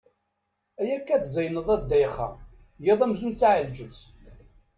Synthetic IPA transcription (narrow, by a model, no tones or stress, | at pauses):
æjækːæθzæjnəðˤæd̪ːæjχːæ̰ | jeðˤæmzunt͡sːaʕəld͡ʒət͡s